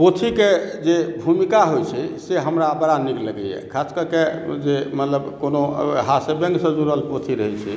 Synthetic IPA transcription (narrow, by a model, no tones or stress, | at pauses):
pot̪ʰiked͡ʒebʱumikaɦojt͡ʃʰɛseɦəmɾabəɾanikləɡɛ̰jɛ̰kʰaskəɾked͡ʒemət̪ləbkonoɦasebə̃ŋɡsə̃d͡ʒuɾəlpot̪ʰiɾəɦɛt͡ʃʰɛ̰